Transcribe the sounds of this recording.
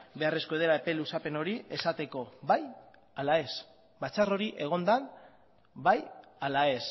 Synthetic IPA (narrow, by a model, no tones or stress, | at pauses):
be̞are̞sko̞eð̞eɾaepe̞lusape̞no̞ɾie̞sat̪eko̞βaj | alae̞s | bat͡saro̞ɾiʔe̞ɣ̞o̞nd̪an | bajalae̞s